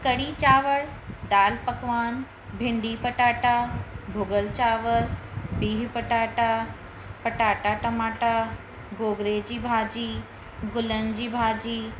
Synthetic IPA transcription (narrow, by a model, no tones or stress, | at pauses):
kɐɽit͡ɕaːʋəɽd̪aːlpɐkʋaːn | bʱɪ̃ɳɖiːpəʈaːʈabʱʊɡəlt͡ɕaːʋəɾbiːɦpəʈaːʈa | pɐʈaːʈaʈɐmaːʈa | ɡoːɡɾed͡ʑiːbʱaːd͡ʑiː | ɡʊlənd͡ʑiːbʱaːd͡ʑiː